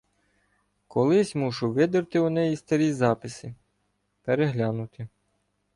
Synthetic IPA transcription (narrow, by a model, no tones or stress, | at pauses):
kʰɔlˠɪsʲmuʃʊʋɪd̪ɪrt̪ɪɔnɛjist̪ɐɾʲizɑpɪsʲi | peɾeɦlʲɑnʊt̪ɪ